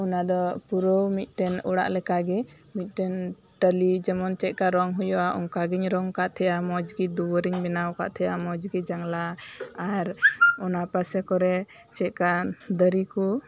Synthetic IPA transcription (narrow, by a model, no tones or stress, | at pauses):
ɔnad̪ɔpuɾəwmit̪̚ˀʈɛnɔ̰ɽa̰ʔlɛkaɡɛ | mit̪̚ˀʈɛn | ʈəlid͡ʒɛmɔnt͡ʃɛt̪̚ˀkaɾɔŋɦujɔʔaʔɔŋkaɡiɲɾɔŋkaʔt̪ʰɛjamɔd͡ʒɡid̪uwəɾiɲbɛnawka̰ʔt̪ʰɛjamɔd͡ʒɡid͡ʒaŋlaː | ɾɔnapasɛkɔɾɛ | t͡ʃɛt̪̚kad̪əɾiku